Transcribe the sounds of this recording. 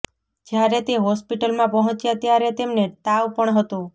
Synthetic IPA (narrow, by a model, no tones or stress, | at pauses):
d͡ʒjaɾet̪eɦɔspiʈəlmãpəɦɔ̃t͡ʃjat̪jaɾet̪emnet̪aʋpəɳɦət̪ũ